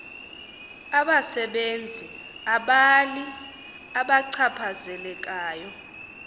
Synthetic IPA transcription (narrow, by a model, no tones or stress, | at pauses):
aɓasɛɓend͡zʱi | aɓali | aɓaǀʰapʰazɛlɛk̬ʼaːjɔ